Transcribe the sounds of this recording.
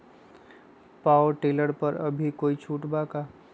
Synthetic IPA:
paːʈeːləɾpəɾɐ̰bʱikoːit͡ʃʰuːʈbaka

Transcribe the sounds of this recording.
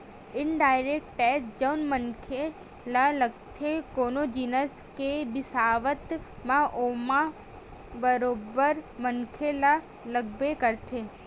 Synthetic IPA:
ɪnɖajɾek̚ʈʈɛsd͡ʒəwnmənkʰe | laləɡ̚t̪ʰekonod͡ʒinəskebɪsaʋət̪mãʔomã | bəɾobəɾmənkʰela | ləɡ̚bekəɾt̪ʰe

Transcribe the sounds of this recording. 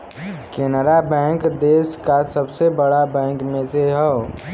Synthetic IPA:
keːnəɾabɛ̃ːŋkd̪eːskasəbsebəɽabɛ̃ːŋkmẽseɦɛ

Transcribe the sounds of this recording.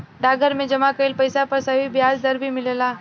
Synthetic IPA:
ɖaːɡʱəɾmẽd͡ʒɐmakəɪlpɐɪsapɐɾsɐɦibjaːd͡ʒd̪ɐɾbʱimɪleːlaː

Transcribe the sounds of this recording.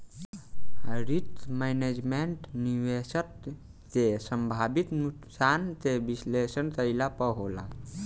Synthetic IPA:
ɦəɾit̪mened͡ʒmeɳʈniʋesət̪ | t̪esəmbʱabit̪nuksant̪ebislesənt̪əɪlapəɦola̰

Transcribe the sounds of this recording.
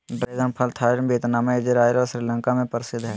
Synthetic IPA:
ɖɾeːd̪ənpʰəlt̪ʰaːɾbeːt̪naːmaed͡ʒeɾaːjɾɔɾsɾiːlə̃ŋkamẽpəɾɪsɪd̪ɦɛː

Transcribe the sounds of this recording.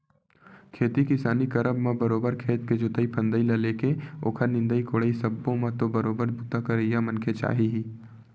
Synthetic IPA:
kʰeːt̪ikɪsaːnikɐɾəbmãbɐɾoːbəɾkʰeːt̪ked͡ʒʊt̪əipʰə̃nd̪əilɐleːkeo̰ːkʰəɾnɪ̃nd̪əikoːɽəisɐbːõmãt̪obɐɾoːbəɾbut̪akɐɾəjamɐ̃nkʰet͡ʃa̰ːɦiɦiː

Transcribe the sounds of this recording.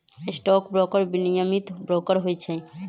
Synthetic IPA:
ɪsʈɔːkbɾɔːkəɾbinijəmit̪bɾɔːkəɾɦot͡ʃʰɛ

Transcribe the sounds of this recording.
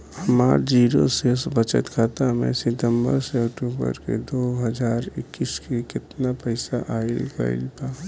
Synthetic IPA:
həmaːɾd͡ʒiːɾosesbət͡ʃə̰t̪kʰaːt̪amḛ̃sɪt̪əmbə̰ɾseəkʈuːbə̰ɾkḛd̪oːɦəd͡ʒaːɾɪkːiskekɪt̪napəɪsaʔaːɪlkə̰ɪ̰lpaː

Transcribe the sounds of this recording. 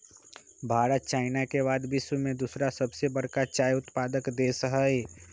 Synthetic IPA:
bʱaːɾət̪̚t͡ʃaːɪnakeβaːd̪bɪʃwəmẽd̪uːsɾasɐbsebəɽkat͡ʃaːjʊt̪paːd̪əkd̪eːsəɦəe

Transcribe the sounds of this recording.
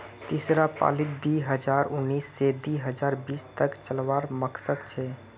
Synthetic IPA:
t̪isɾapa̰ːlɪd̪iɦəd͡ʒaːɾʊnːiːsːed̪iɦəd͡ʒaːɾbiːst̪əkt͡ʃəlʋaːɾməksəd̪̚t͡ʃʰɛ

